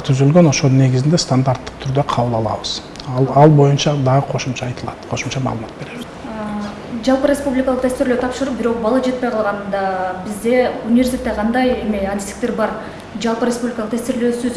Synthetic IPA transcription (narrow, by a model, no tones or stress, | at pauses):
t̪ʰyzylɡø̞no̞ʃo̞lˠne̞ɡɪzɪnd̪e̞st̪and̪aɾt̪ːə̥q̚t̪ʰyɾd̪øqʰɑβəlˠɑlˠɑ̰βəz̥ | ɑlˠɑlˠbo̞junt͡ʃɑd̪ɑʁəqʰo̞ʃumt͡ʃɑːjt̪əlˠɑt̪qʰo̞ʃumt͡ʃɑmɑ̰ːlˠəmɑ̰t̪̚be̞ɾe̞βɪz | d͡ʒɑlˠpɯɾʲespublʲɪkɑlˠəqt̪ʰæst̪ɪɾløt̪ʰɑpʃɯɾup̚biɾo̞q̚bɑlˠɑd͡ʒe̞t̪̚pe̞jqʰɑlˠʁɑnd̪ɑbizd̪e̞unʲɪvʲesʲt̪ʲet̪ːeqʰɑnd̪ɑjemiɐd̪ʲi̥st̪ik̚t̪eɾbɑɾ | d͡ʒɑlˠpɯɾʲespublʲɪkɑlˠəq̚t̪ʰæst̪ɪɾløːsyz